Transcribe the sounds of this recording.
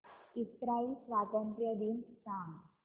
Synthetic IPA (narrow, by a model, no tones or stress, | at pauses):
it̪ɾaisʋaɡɔ̃mpɾjəd̪insaŋɡ